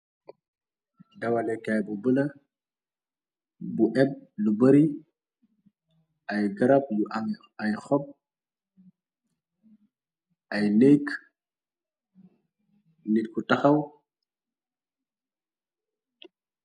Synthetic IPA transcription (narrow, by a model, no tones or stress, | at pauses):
dɐwɐlɛkajbubəlɐ | buʔɛb̚lubɐɾi | ɐjɡɐɾɐp̚luʔaŋ | ɐjxɔp̚ | ʔɐjnɛːk | nit̚kutɐxɐw